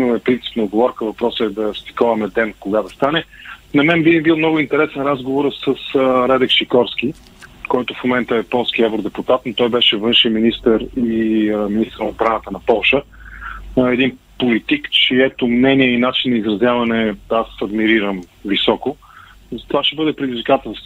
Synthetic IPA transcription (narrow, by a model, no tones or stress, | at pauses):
noɛpɾint̪si̥pnɐːd̪ɡovɔɾkəvɐpɾɔsəɛd̪ɐst̪i̥kɔvɐmɛd̪ɛnkoɡad̪ɐst̪anɛnɐmɛnbibilˠmnɔɡʊint̪ɛɾɛsɛnɾazɡovoɾəsəsɾɛd̪ɛkʃikɔɾskʲi | kɔjt̪ʊfmomɛnt̪əɛpɔlˠsk̟iɛvɾod̪ɛput̪at̪not̪ɔjbɛʃɛvɤnʃiminist̪əɾiminist̪əɾnɐod̪bɾanət̪ənɐpɔlˠʃə | ɛd̪in | polit̪ikt͡ʃiɛt̪ʊmnɛniɛinat͡ʃinːɐizɾɐzʲjavɐnɛasɐd̪miɾiɾəmvisɔkʊ | zt̪ovaʃɛbɤd̪ɛpɾɛd̪izvikat̪ə